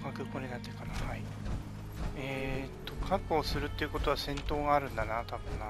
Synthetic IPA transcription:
kakɯ̟kːoːɲʲinat̪ːekanahai | et̪ːo̞kʰakːoːsɨɾɯ̟t̪ːe̞iɯ̟kot̪o̞βasẽ̞nt̪o̞ːɡaːɾɯ̟̃nd̪anat̪abɯ̟̃nna

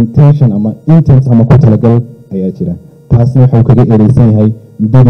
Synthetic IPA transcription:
nt̪ʰɛnʃɐnɐmɐɪnt̪ʰɛnsɐmɐkʰʊt̪ʰɐlɐɡɐlɐjaːt͡ʃɪɾɐ | t̪ʰaːsnɐwɑħɑuːkʰɐɣɐʔɛɾɛjsɐnjɐɦɛj | mʊd̪ɐð

